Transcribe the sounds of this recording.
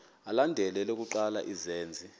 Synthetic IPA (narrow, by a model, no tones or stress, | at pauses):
alandʱɛlɛlok̬ʼuǃala̰ʔizeːnd͡zʱi